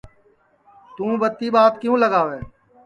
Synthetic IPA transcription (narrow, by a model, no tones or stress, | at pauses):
t̪ũːbət̪ːiːɓaːt̪kɪjũːləɡaːʋeː